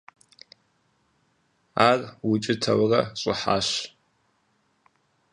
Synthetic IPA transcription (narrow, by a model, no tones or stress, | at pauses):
aːrwʊt͡ʃʼɪtʰɐwrɐɕʼɪħa̰ːɕ